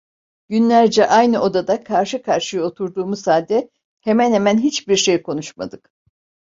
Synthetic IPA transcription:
ɟ̥ynlʲæɾd͡ʒɛʔajnɯʔo̞d̪ad̪akʰaɾʃɯkʰaɾʃɯjo̞t̪ʰuɾd̪uːmuzhaːlʲd̪ɛ | hemænhemænɦit͡ʃbiɾʃe̞jkʰo̞nuʃma̰d̪ɯk

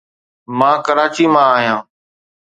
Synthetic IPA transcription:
mãːkəɾaːt͡ʃiːmãːaːɦijãː

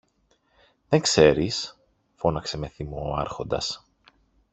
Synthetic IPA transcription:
ðeŋkse̞ɾis | fo̞nɐkse̞me̞θimoɐ̰ɾxo̞nd̪ɐ̰s

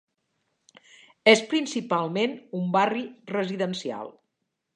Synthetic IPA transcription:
espɾinsipalˠmenumbarirəziðənsia̰lˠ

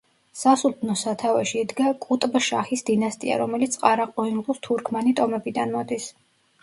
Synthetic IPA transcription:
sasut̪ʰnɔsat̪ʰavɛʃiːd̪ɡakʼut̪ʼbʃaχisd̪inast̪ʼia̰ɾɔmɛlit̪sʼqʼaɾaqʼɔiŋɡlˠust̪ʰuɾkʰmɛnit̪ʼɔmɛbid̪anmɔd̪is

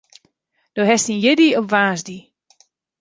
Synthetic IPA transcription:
d̥oɦɛstinjɪdiɔvaːsdi

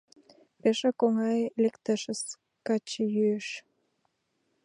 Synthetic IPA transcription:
peʃɑkoŋɑjlekt̪əʃəs | kɑt͡ɕejyeʃ

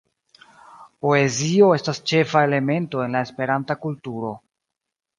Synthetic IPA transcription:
po̞e̞zio̞e̞stast͡ʃe̞fae̞le̞me̞nto̞e̞nlaespe̞ɾantakultuɾo̞

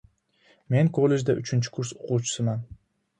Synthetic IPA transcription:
me̞nkʰolˠed͡ʒd̪aʔʊt͡ʃʰɪnt͡ʃʰɪ̥kʰʊɾsoqʰuwt͡ʃʰɪ̥sɪman

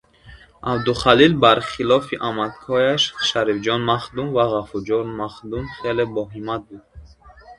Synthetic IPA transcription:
ʔabd̪uχalilbaɾχilɔfiʔamat̪kʰɔjaʃʃaɾifd͡ʒɔnmaχd̪umvaʁafuld͡ʒɔnmaχd̪umχelebɔɦimːat̪̚bud̪̥̚

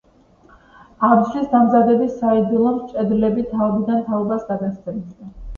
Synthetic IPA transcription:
ablisd̪amzad̪ɛbisaid̪ilˠɔmt͡ʃʼɛd̪ɾlɛbit̪ʰaɔbid̪ant̪ʰaɔbasɡad̪ast̪ʰʼɛnd̪d̪a

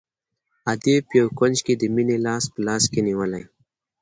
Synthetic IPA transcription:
ad̪epjawkʊnd͡ʒked̪əminelɑːspəlɑskeniwəlaj

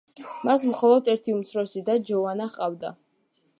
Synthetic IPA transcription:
masmχɔlˠɔd̪ɛɾt̪ʰiumt̪sʰɾɔsid̪ad͡ʒɔvanaχqʼavd̪a̰

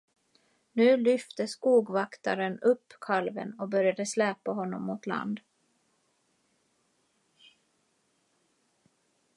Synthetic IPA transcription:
nʉ̟ːlʏft̪əskuːɡvakt̪aɾənɵpːkʰalvə̰nɔbœɾjad̪əslɛːpaɦɔnːɔmːʊt̪la̰nd̪

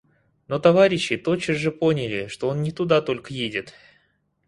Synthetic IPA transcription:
no̞t̪ɐvaɾʲɪɕːɪt̪o̞t͡ɕːəzʐɨpo̞nʲɪlʲɪʂt̪o̞o̞nnʲɪt̪ʊd̪at̪o̞lʲkəjedʲɪt̪

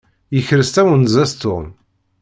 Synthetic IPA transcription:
jəçɾəst̪æwənzæst̪ʊ̰n

